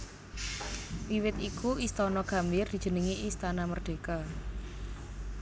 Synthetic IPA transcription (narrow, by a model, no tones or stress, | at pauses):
wiwɪt̪ikuist̪ɔnɔɡ̥a̤mbɪrd̪̥i̤̥d͡ʒ̥ə̤nəŋiʔist̪anamərɖ̪̥e̤ka